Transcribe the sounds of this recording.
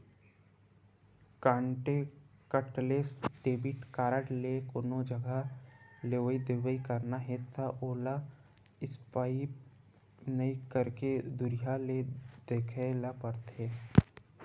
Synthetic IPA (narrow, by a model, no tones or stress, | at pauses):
kãːɳʈekəʈleːsɖeːbɪʈkaːɾəɽlekonod͡ʒəɡaleʋəid̪eʋəikəɾnaɦet̪ʰaʔoːla | ɪspaːi | nɐikəɾked̪ʊɾijaled̪eːkʰelapəɾt̪eː